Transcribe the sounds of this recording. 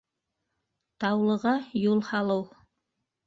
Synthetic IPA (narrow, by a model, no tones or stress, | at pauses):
t̪ɑwlˠɤ̆ʁɑjulˠhɑlˠɤw